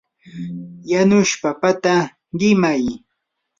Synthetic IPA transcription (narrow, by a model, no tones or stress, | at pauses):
janʊʃpapat̪a | ɢɪmaj